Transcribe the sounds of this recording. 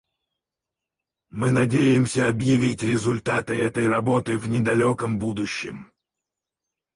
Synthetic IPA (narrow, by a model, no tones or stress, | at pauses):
mɨnɐdʲejɪmsʲəɐbjɪvʲitʲrʲɪzʊlʲt̪at̪ɨɛt̪əjrɐbo̞t̪ɨvnʲɪd̪ɐlʲokəmbud̪ʊɕːɪ̰m